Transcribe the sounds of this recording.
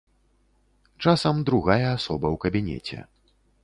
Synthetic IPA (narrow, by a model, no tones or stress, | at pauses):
t͡ʂasɐmd̪ɾuɣajɐːsɔbɐwkɐbʲinʲɛ̰t͡sʲɛ̰